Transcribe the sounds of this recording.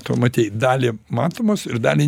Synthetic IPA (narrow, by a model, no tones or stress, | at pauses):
t̪o̰mɐt̪ʲiːtd̪ɑːlʲɪmɑːt̪oːmoːsɪɾd̪ɑːlʲɪ